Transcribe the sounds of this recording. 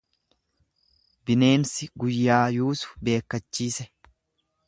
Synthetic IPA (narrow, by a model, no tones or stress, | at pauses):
bɪne̞ːnsɪɡʊjːaːjuːsʊ̥be̞ːkːɐt͡ʃːiːsɛ